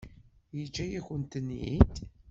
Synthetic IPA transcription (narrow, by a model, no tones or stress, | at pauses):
jət͡ʃːæjæçənt̪ənḭt̪